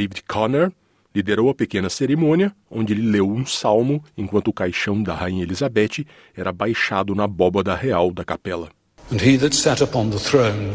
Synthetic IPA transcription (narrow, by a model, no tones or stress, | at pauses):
d̪ejvidkʰɔneɾ | lid̪eɾowɐpekẽnɐseɾemõniɐ | õ̰nd͡ʒɪelɪlewũsawmʊẽkwɐ̃nt̪ʊːkajʃɐ̃w̃d̪ɐhaĩɲɐelizabɛt͡ʃɪ | ɛɾɐbajʃad̪ʊnɐbɔbɐd̪ɐheawd̪ɐkapɛlɐ | ə̃niðɨtsɛɾəpʰɑ̃nðəθɹõʊ̃n